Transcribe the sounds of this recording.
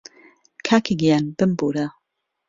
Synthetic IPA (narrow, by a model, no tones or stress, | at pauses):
kʰaːkʰiɡijanbɨmbuɾa